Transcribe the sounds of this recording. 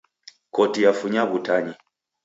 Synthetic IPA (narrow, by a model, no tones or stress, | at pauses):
kɔtijafuɲaβutaɲi